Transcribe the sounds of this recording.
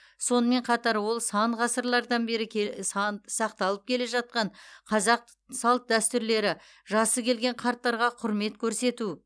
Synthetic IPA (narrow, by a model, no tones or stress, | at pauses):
so̞nəme̞ɴqʰɑt̪ɑɾwo̞lˠsɑɴʁɑsəɾlˠɑɾd̪ɑnbe̞ɾɪ | sɑq̚t̪ɑlˠəp̚kʲʰe̞le̞ʒɑt̪̚qɑɴqʰɑzɑq | sɑlˠt̪̚d̪æst̪ʏɾle̞ɾɪ | ʒɑsəkʲʰe̞lɡʲe̞ɴqʰɑɾt̪ːɑɾʁɑqʰʊɾme̞t̪kʲʰɵɾse̞t̪u